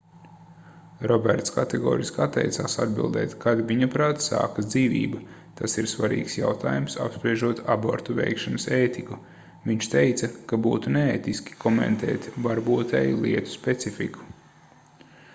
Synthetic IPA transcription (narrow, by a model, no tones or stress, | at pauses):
ɾɔbʲɛɾt̪skat̪ɛɡɔ̰ːɾiskat̪ːɛ̰jt̪saːsad̪bḭlˠd̪ɛ̰ːt̪kad̪viɲɐpɾaːt̪sa̰ːkɐsd̪ziːʋḭːbɐ | t̪asiɾsʋaɾḭːksjawt̪a̰ːjumsa̰pspɾiɛʒuɔt̪ʰabo̰ɾt̪uvɛ̰jkʃanɐseːt̪iku | ʋiɲt͡ʃt̪ejt̪sɐkabuːt̪uneɛːt̪iskʲi̥kʰɔmḛ̃nt̪ʰɛ̰ːt̪baɾbuɔt̪ɛ̰ːjṵlˠiɛt̪u̥spʲet̪sifiku̥